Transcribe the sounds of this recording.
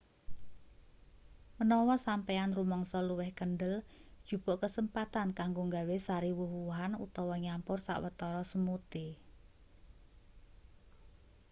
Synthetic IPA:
mənɔwɔsampeanrumɔŋsɔluwɛhkənɖəld̥ʒ̥ṳb̥oʔkəsəmpat̪ankaŋɡoŋɡawesaɾiwuhwuɦanṵt̪ɔwɔɲampʊrsa̰ʔwət̪ɔɾɔsəmut̪i

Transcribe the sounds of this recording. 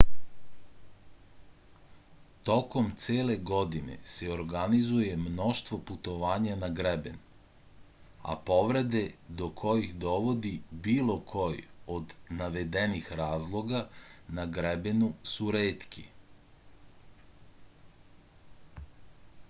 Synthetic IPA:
t̪o̞ko̞mt̪seːle̞ɡo̞d̪ine̞̰seoɾɡanizuje̞mno̞ʃt̪ʋo̞put̪o̞ʋaːɲanaɡɾeben | a̰po̞ʋɾe̞d̪e̞d̪okʰo̞jixd̪o̞ʋo̞d̪ibiːlo̞kʰo̞jod̪naʋe̞d̪e̞nixɾaːzlˠo̞ɡanaɡɾebenusuɾeːt̪kḭ

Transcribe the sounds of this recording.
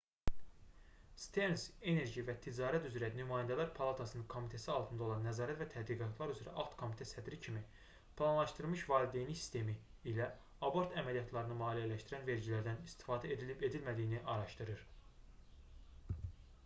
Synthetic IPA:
st̪ʰense̞neɾʒivæt̪ʰid͡ʒɑːɾæt̪yzɾænymɑːjænd̪ælæɾpʰɑlˠɑt̪ʰɑsɯnɯnkʰo̞mit̪ʰæsiɑlˠt̪ʰɯnd̪ɑo̞lˠɑnːæzɑːɾæt̪væt̪ʰæd̪ɾiɡɑt̪ʰlˠɑɾyzyɾæ̰ʔɑt̪kʰo̞mit̪ʰæsæd̪ɾicʰimi | pʰlˠɑnlˠɑʃt̪ɯɾmɯʃvɑːlid̪e̞jniçsi̥st̪ʰe̞miː | læ | ɑbo̞ɾt̪ʰæmælijɑt̪ʰlˠɑɾɯnɯmɑːlijælæʃt̪iɾænve̞ɾɟilæɾd̪ænist̪i̥fɑːd̪æeed̪ilmæd̪ijniʔɑɾɑʃt̪ɯɾɯɾ

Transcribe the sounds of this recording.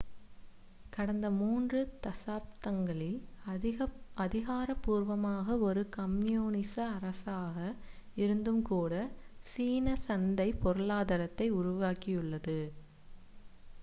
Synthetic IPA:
kɐɽɐnd̪ɐmuːndrɯt̪ɐsaːp̚t̪ɐŋɡɐɭɪl | ʔɐðɪɣaːɾɐpːuːɾʋɐmaːɣɐɔɾɯkɐmjoːnɪsɐɐɾɐsaːɣɐ | ɪɾɯnd̪ɯmkuːɽɐsiːnɐsɐnd̪ɐɪpɔɾɯɭaːðɐɾɐt̪ːɐɪʊɾʊʋaːkɪjɯɭːɐðɯ

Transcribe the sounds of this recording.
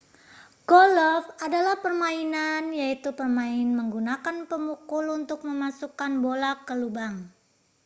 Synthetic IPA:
ɡɔlɔfadalahpərmainanjait̪upərmaɪnməŋɡunakanpəmukʊlunt̪ʊk̚məmasukanbolakəlubaŋ

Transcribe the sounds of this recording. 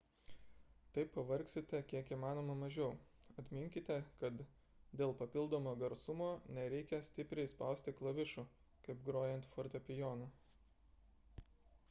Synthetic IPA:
t̪ɐɪpːɐʋɐɾʲksʲɪt̪ʲɛkʲiɛkiːmɑːnoːmɐmɐʒʲɛʊɐt̪ʲmʲɪŋʲkʲɪt̪ʲɛkɐt̪ | d̪ʲeːlˠpɐpʲɪlˠd̪oːmoːɡɐɾsʊmoːnʲɛɾʲɛɪkʲɛsʲt̪ʲɪpʲɾʲɛɪspɐˑʊsʲt̪ʲɪklˠɐʋʲɪʃʊ | kɐɪpɡɾoːjɛnt̪foːɾʲt̪ʲɛpʲɪjoːnɐ

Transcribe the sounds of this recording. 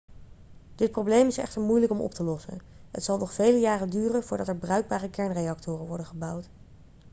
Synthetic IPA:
d̥ɪt̚prowblejmɪsɛ̰χtəɹmujləkɔmɔ̰p̚təlɔsə̰n | ɦə̰tsɑlˠnɔχfejləjaːrəndyːrənvʊːɹdɑtɛɹbrœɥɡ̚baːrəkɛɹnrejɑk̚tʊːrənʋɔɹdəχəbʌwt

